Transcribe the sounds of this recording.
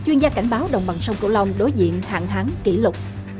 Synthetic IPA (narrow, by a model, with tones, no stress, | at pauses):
t͡ɕwi˧ənzaː˧ka˧˩jŋ̟ɓaː˨˦wɗə̰˧˨wŋ͡mɓa˨˩ŋsə˧wŋ͡mkɨ̰˧˩la˧wŋ͡mɗo˨˦jzḭ˧˨ənha̰ː˧˨nɦaː˨˦ŋki˧˩lʊ˨˩k͡p̚